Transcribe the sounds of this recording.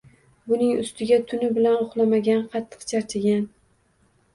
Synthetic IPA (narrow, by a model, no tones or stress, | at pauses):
bʊnɪŋʊst̪ʰɪɡʲat̪ʰʊnɪbɪlanʊχlˠamaɡʲanqʰɑt̪ʰːɨ̥qt͡ʃʰaɾt͡ʃʰɪɡʲan